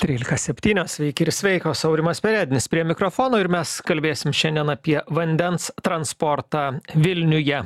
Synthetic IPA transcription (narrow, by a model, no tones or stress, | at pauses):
t̪ʲɾʲiːlʲɪkɐsʲɛpʲt̪ʲiːnʲoːssʲʋʲɛɪkʲɪɾsʲʋʲɛɪkoːsɐʊɾʲɪmɐspʲɛɾʲæːd̪ʲɪnʲɪspʲɾʲiɛmʲɪkɾofoːnoːɪɾmʲɛskɐlʲbʲeːsʲɪmʃʲɛnʲd̪ʲiɛnɐpʲiɛʋɐnʲd̪ʲɛnst̪ɾɐnspoːɾt̪ɑːʋʲɪlʲnʲʊjɛ